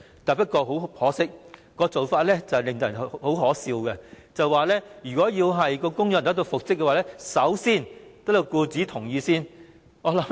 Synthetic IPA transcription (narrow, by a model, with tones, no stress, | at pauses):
t̪ɐ˨pɐ˥t̚kːɔː˧ɦo˨˥whɔː˨˥sɪ˥k̚kɔː˧t͡so˨˩wfaː˧t̚lɛ˥t͡sɐ˨lɪ˨ŋt̪o˧˨˩nho˨˥wɦɔː˨˥siː˧wkɛ˧ | t͡sɐ˨waː˨lɛː˥jyː˨˩kɔː˨˥jiː˧wɦɐ˨jkɔː˧kʊ˥ŋjɐ˨˥nt̪ɐ˨˥kt̪o˧wfʊ˨k̚sɪ˥k̚ːɛ˧waː˨lɛː˥sɐ˨˥wsiː˥˩nt̪ɐ˥kt̪o˧wkuː˧t͡siː˨˥t̪ʰʊ˨˩ŋjiː˨˧siː˥n | ŋɔː˨˧lɐ˨˥